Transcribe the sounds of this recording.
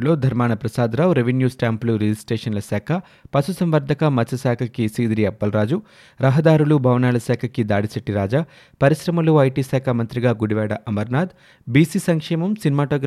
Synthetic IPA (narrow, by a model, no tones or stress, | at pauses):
lo̞ːd̪ʱɐɾmaːɳɐpɾɐsaːd̪ɾaːʋɾeʋenjuːsʈaːmpluɾed͡ʒisʈɾeːʂɐnlɐsaːkʰɐ | pɐsusɐmʋɐɾd̪ʱɐkɐmɐt͡ʃɐsaːkʰɐkisiːd̪ɾiɐpːɐlɾaːd͡ʒu | ɾɐɦɐd̪aːɾulubʱɐʋɐnaːlɐsaːkʰɐkid̪aːɽisɐʈːiɾaːd͡ʒa | pɐɾiʃɾɐmɐluɐjʈiːsaːkʰamɐnt̪ɾiɡaːɡuɽiʋɛːɽɐʔɐmɐɾnaːd̪ | biːsisɐŋkʂɛːmɐmsinimaːʈoːɡɾ